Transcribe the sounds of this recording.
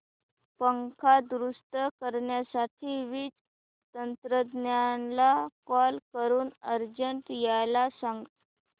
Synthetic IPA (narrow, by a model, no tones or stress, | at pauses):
pəŋkʰad̪ɾuʂʈəkəɾɳjasaʈʰiːʋiːt͡s | t̪ənt̪ɾəd̪njanlakɔlkəɾuːnəɾd͡ʑəɳʈjajlasaŋɡ